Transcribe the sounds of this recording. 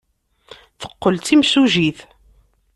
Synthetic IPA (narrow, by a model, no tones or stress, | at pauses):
θə̥qːəlt͡s̪imsuʒiθ